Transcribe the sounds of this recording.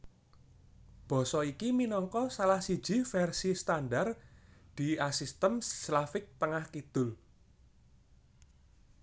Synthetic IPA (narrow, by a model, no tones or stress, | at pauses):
b̥ɔ̤sɔikiminɔŋkɔsalahsi̥d͡ʒ̥i̤fɛrsist̪anɖard̪̥i̤asist̪əmslafɪk̚t̪əŋahkid̪̥ʊl